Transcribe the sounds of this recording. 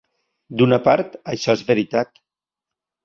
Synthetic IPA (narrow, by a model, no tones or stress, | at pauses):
d̪unapaɾt̪əʃɔezβeɾit̪at̪